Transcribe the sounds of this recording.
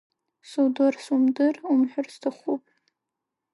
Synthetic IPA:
suwdorsumdɨrumħʷᶣʊrstʰaχʷupʼ

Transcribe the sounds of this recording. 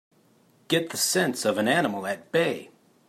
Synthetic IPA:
ɡ̥ɛt̪̚ðɨsɛ̃nsʌvɨ̃nænəml̩ˠɨt̚b̥eɪ

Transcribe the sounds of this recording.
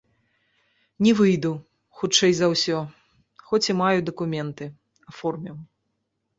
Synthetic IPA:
nʲivɨjd̪u | xut͡ʂɛjzɐwsʲɔ | xɔt͡sʲimajud̪ɐkumʲɛnt̪ɨ | afɔrmʲiw

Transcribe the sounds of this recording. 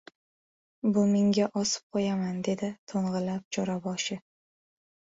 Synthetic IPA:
bʊmeŋɡʲaʔɒsɪ̥p̚qʰojamand̪e̞d̪ɪt̪ʰoɴʁɨlap̚t͡ʃʰɒɾabɒʃɪ

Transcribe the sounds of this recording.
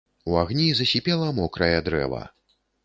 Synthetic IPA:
uaɣnʲizɐsʲipʲɛlˠɐmɔkɾɐjɛd̪ɾɛ̰vɐ̰

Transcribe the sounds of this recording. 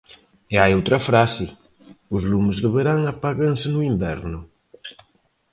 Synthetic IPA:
ɪajowt̪ɾɐfɾasɪ | ʊzlumʊzðeβeɾaŋapaɣãŋsɪnʊimbɛ̰ɾnʊ

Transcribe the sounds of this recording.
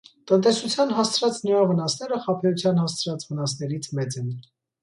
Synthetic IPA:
t̪ənt̪ɛsut͡sʰjɑnɦɑst͡sʰɾɑt͡snujɑvənɑsnɛɾəχɑpʰɛɾut͡sʰjɑnhɑst͡sʰɾɑt͡svənɑsnɛɾit͡sʰmɛt͡sɛn

